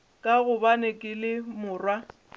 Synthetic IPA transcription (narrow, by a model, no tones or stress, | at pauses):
kʼaɣʊbanekʼɪlɪmʊːrwa